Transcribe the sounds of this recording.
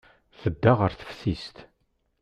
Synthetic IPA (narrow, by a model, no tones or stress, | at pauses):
θəd̪ːaʁəɾθə̥fθist̪